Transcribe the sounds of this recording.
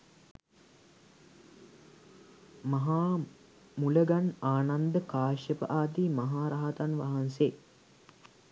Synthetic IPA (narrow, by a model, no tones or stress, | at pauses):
mɐɦaː | muləɡanaːnand̪əkaːʂjəpə̰ʔaːt̪iːmɐɦaːɾaɦat̪anʋaɦanseː